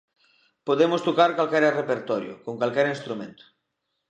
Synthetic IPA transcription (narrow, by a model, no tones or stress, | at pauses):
poðemost̪ukaɾkalkɛɾerepeɾt̪ɔɾjṵkoŋkalkɛɾinst̪ɾumẽnt̪u̥